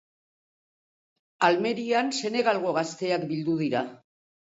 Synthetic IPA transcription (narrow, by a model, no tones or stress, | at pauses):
alme̞ɾianse̞ne̞ɣalɣo̞ɣast̪e̞akbild̪uð̞iɾa